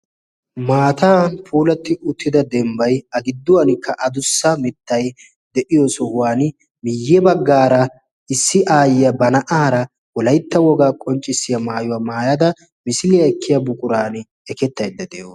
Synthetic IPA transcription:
maːt̪aːnpʰuːlɐt̪ːɪʔʊt̪ːɪd̪ɐd̪ɛmbɐjɐɡɪd̪ːʊwɐnkʰːɐʔɐd̪ʊsːɐmɪt̪ːɐj | d̪ɛʔɪjɔsɔhʊwaːn | mɪjːɛbɐɡːaːɾɐ | ɪsːɪʔaːjɪjɐbɐnɐʔaːɾɐ | wɔlɐjt̪ːɐwɔɡaːkʼɔnt͡ʃʼːɪsːɪjɐmaːjʊwaːmaːjɐd̪ɐ | mɪsɪlɪjɐɛkʰːɪjɐbʊkʼʊɾaːn | ɛkɛt̪ːɐjd̪ːɐd̪ɛ̰ʔo

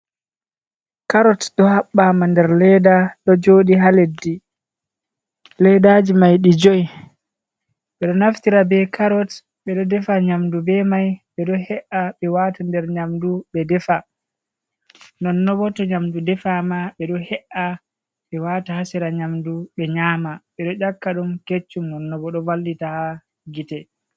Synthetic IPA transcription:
kaɾɔtɗɔhaɓːamandɛɾlɛdaɗɔd͡ʒoɗiɦaledːi | lɛdad͡ʒimajɗid͡ʒoj | ɓɛɗɔnaftiɾabɛkaɾɔt | ɓɛɗɔdɛfaɲamdubɛmajɓɛɗɔhɛʔaɓɛwatandɛɾɲamduɓɛdɛfa | nɔnːɔbɔtɔɲamdudɛfamaɓɛɗɔhɛʔa | ɓɛwatahasiɾaɲamduɓɛɲaːmaɓɛɗɔʔakːaɗumket͡ʃːumɔnːɔbɔɗɔvalditaha | ɡitɛ

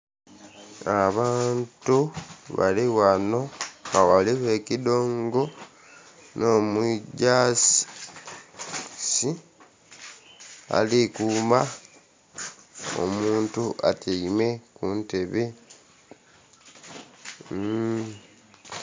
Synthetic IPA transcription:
aβaːntuβa̰liwano̞ŋɡawaliwe̞kido̞ːŋɡo̞ | no̞ːmuɟaːs | si | a̰likuːma | o̰muːntuʔa̰tʰiime̞kunte̞βe

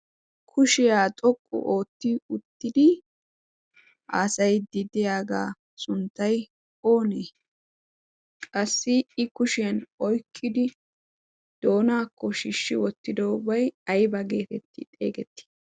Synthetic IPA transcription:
kʰʊʃɪjaːt̪ʼɔkʼːʊ̰ʔoːt̪ːɪʊt̪ːɪd̪ɪ | ʔaːsɐjd̪ɪd̪ɪjaːɡaː | sʊnt̪ːɐj | o̞ːneː | kʼɐsːɪɪkʊʃɛnɔjkʰʼːɪd̪ɪ | d̪̥o̞ːnaːkːɔʃɪʃːɪwɔt̪ːɪd̪ɔʊbɐjɐjbɐɡe̞ːt̪ɛt̪ːɪ̰t̪ʼḛːɡɛt̪ːɪ̥

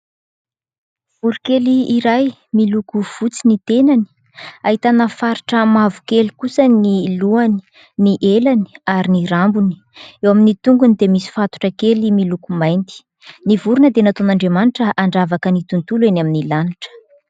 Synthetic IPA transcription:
uɾikeliːɾaj | milukuv̥ut͡sinit̪enani̥ | aɦit̪anəfaɾiʈ͡ʂəmavu̥kelikusəniluani̥ | niʔelani̥aɾiniɾambuni̥ | ewaminit̪uŋɡunid̪emisi̥fat̪u̥ʈ͡ʂəkelimilukumajnt̪i̥ | nivuɾunəd̪enat̪onaɳɖ͡ʐemaniʈ͡ʂəʔaɳɖ͡ʐavakənit̪unt̪ulenaminilaniʈ͡ʂə̥

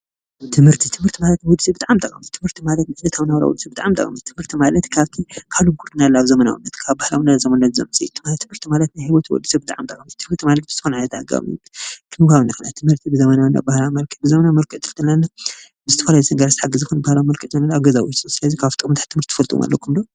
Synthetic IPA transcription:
t̪ʰɨmhɨɾt̪ʰit̪ʰɨmhɨɾt̪ʰimalɐt̪nawɔd̪ɨsebɨt̪ʼaʕamt̪ʼɐkʼɐmɨt̪t̪ʰɨmhɨɾt̪ʰimalɐt̪̚naʕd̪ɐt̪ʰaβnawɾa̰wɔ̰d̪ɨsibɨt̪ʼaʕamt̪ʼɐ̰kʼɐ̰mɐt̪t̪ʰɨmhɨɾt̪ʰimalɐt̪kʰaβt̪ʰikʰaluɡuɾt̪ɨnalːaβzɐmɐna̰wṵnːɐt̪kʰaβbahlawunːazɐmɐnat̪zɐ̰mɨsʼḭjut̪ʰmat̪ʰːɨmhɨɾt̪ʰimalɐt̪najhiwot̪ʰiwɔ̰d̪ːɨsɐbɨt̪ʼa̰ʕamt̪ʼɐkʼɐmtt̪ʰɨmhɨɾt̪ʰimalɐt̪̚bɨz̥t̪ʰɨxonʕalɐt̪ʰa̰ɡa̰mit̪ʰɨmkawnakʰɨnat̪ʰɨmhɨɾt̪ʰibɨzɐmɐnawnːa̰bahlawmɐlkʰɨbɨzɐmɐnamɐlkʼɨt̪ʰɨld̪ɐlːanːa | bɨzɨt̪ʰɐfɐlajut̪ɨŋɡaɾast̪ħaɡɨzɨxonbahlawmɐlkʼɨʔt̪ɨnanaβɡɐzawisʼusɨlɐzikʰaβt̪ʼɨkʼmt̪ʰaħt̪ʰɨmhɨɾt̪ʰi̥fɐlt̪ʼṵma̰lːɐ̰kʰumlo

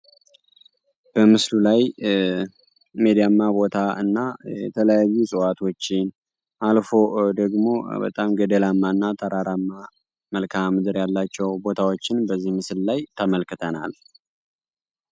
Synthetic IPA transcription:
b̥əmɨslulaj | med̪ijamːabo̞t̪ʰaɨnːajɛt̪ʰələjajːusʼɨwat̪ʰo̞t͡ʃːɪn | ʔalfo̞d̪əɡmo̞bə̰t̪ʼamɡəd̪əlamːaɨnːat̪ʼəɾaɾamːa | məlkʰamɨd̪ɨɾjalːat͡ʃːɛwbo̞t̪ʰawo̞t͡ʃːɪnbəzːihmɨsllajt̪ʰəməlkɨt̪ʰənal

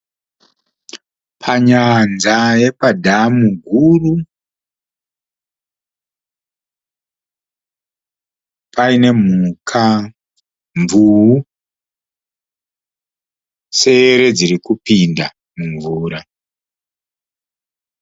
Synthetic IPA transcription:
pʰaɲanzaje̞padʱamuɡʱuru | pʰaine̞m̤ukʰa | ɱvuɦu | se̞ɾe̞d͡zirikupinda | muɱvuːɾa

